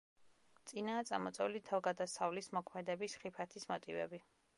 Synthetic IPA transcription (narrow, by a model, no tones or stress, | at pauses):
t̪sʼinaːt̪sʼa̰mɔt̪sʼɛulit̪ʰalɡad̪asavlismɔkʰmɛd̪ɛbisχipʰat̪ʰismɔt̪ʼivɛ̰bi